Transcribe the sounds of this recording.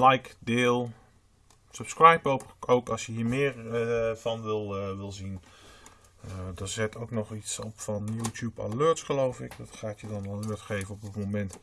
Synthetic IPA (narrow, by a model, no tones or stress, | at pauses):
lajkdɪːlˠ | səpskrajpɔpʔowkɑsjəɦiːɹmɪːrvɑnʋɪlˠʋɪlˠzin | dɔzɪtʰowknɔχitsɔpfɔnjuːtʰjupa̰løːtsχəlowfɪkdɔtχaːtjədɑnaløətχejvənɔp̚ətmomɛnt